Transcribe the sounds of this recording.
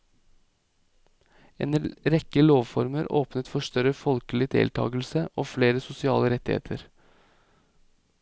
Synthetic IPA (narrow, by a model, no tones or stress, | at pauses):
ḛːnɾɛkəloːʋfɔɾməɾo̰ːpnət̪fɔʂt̪œɾəfɔlkəlɪd̪ḛːlt̪ʰɑ̰ːɡəlsəʔoːfleːɾəsʊsɪɑːləɾɛt̪ːɪhḛːt̪ʰəɾ